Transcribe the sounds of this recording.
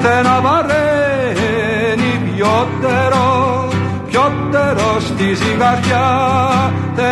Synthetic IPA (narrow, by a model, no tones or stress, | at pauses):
t̪ɛnavaɾɛ | nipjɔt̪ːɛɾɔ | pjɔt̪ːɛɾɔst̪isikaɾja | t̪ɛ